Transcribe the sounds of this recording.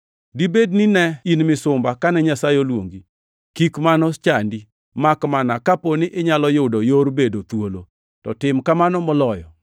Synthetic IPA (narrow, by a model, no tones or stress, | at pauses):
dibednɪnɛinmɪsʊmbakanɛɲasajolwo̰ŋɡi | kikmanɔt͡ʃandi | makmanakaponɪʔɪɲalɔjʊdojoɾbedot̪wolo | tɔtɪmkamanɔmɔlɔjɔ̰